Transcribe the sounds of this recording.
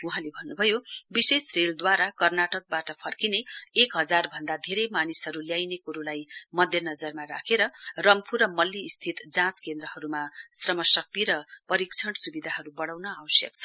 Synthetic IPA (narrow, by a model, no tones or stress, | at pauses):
uɦãlebʱʌnːubʱʌjobisesreld̪waɾakʌrnaʈʌk̚baʈʌpʰʌrkineekɦʌd͡zarbʱʌnd̪ad̪ʱeɾʌjmanisɦʌɾuljajnekuɾulajmʌd̪ʱjʌnʌd͡zʌrmaɾa̰kʰeɾʌrʌŋpʰurʌmʌlːiːst̪ʰit̪d͡zãt͡skend̪rʌɦʌɾumasrʌmʌsʌk̚t̪iɾʌpʌɾikt͡sʰʌɽsubid̪ʱaɦʌɾubʌɽawnʌawʌsjʌ̰k̚t͡sʰʌ̥